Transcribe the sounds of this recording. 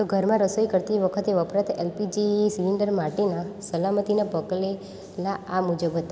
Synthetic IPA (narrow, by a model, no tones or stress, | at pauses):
t̪oɡʱəɾmãɾəsəikəɾt̪iʋəkʰət̪eʋəpɾãt̪elpid͡ʒisiliɳɖəɾmaɾʈinãsəlamət̪inabəɡle | laamud͡ʒəbʱɦət̪a